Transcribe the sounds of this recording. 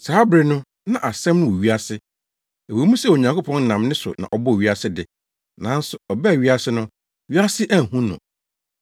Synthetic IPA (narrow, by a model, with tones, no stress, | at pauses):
saː˨˦bɾɪ˨nʊ̃˦ | nã˦ʔa˨sɛ̃˦mnʊ̃˦wo˨ɥi˦a˦sɪ˦ | e˨wo˨˦mũ˦sɛ˦˨o˨ɲã˨ŋkʰo˦pʰɔ̃˦n̩˦nã˨mnɪ̃˦sʊ̰˨nã̰˨ʔɔ˨bɔ˦˨ɥi˦a˦sɪ˦dɪ˨ | nã˨˦n̩˦sʊ˨ɔ˨bɛ˦˨ɥi˦a˦sɪ˦nʊ̃˦˨ | ɥi˦a˦sɪ˦ʔæ˦˨hũ˦nʊ̰̃˨